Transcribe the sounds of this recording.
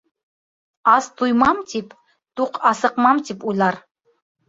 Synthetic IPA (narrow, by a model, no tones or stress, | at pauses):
ast̪ʰujmamt̪ʰipʰ | t̪uqʰasɨqmamt̪ʰipular